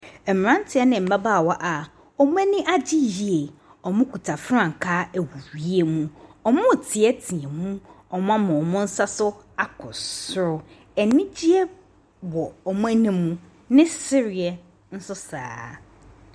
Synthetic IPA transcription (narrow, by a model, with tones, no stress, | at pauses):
ɛ˨m˨ɾã˦n˦tʰɪ˨˦ɛ˦nɪ̃˨m̩˨ba˦baː˦˨wɔ˦ʔa˨ | ɔ˨mʊ̃˦æ˦nĩ˦ʔa˦d͡ʑɪ˦ji˨e˨ | ɔ˨mʊ̃˦kʰu˨tʰa˨fɾã˦˨ŋ̩˨kʰaː˦æ˨wu˨ɾi˦e˦mũ˦ɔ˨mʊ̃˦˨tʰɪ˨ɛ˦tʰĩ˨ɛ˨mũ˦ | ɔ˨mʊ̃˦a˦mã˨ɔ˨mʊ̃˦n̩˦sa˦sʊ˦ | a˨kʰʊ̰˨sʊ˦ɾʊ˨ | ɛ˨nĩ˦d͡ʑi˦ɛ˦ | wɔ˨ɔ˨mʊ̃˦æ˦nĩ˦mũ˦ | nɪ̃˦sɪ˦ɾɪ˨ɛ˨ | n̩˦sʊ˦sa̰ː˨